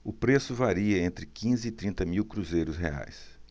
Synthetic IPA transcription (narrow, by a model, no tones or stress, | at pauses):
ʊpɾesʊvaɾiɐẽnt̪ɾɪkĩzɪːt̪ɾĩnt̪ɐmiwkɾuzejɾʊsɦḛa̰js